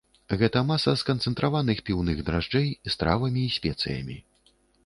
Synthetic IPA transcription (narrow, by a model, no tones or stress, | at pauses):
ɣɛt̪ɐmasɐskɐnt̪sɛnt̪ɾʔavanɨxpʲiwnɨɣd̪ɾaʐd͡ʐɛjst̪ɾa̰vɐmʲiːsʲpʲɛt̪sɨ̰jɐ̰mʲḭ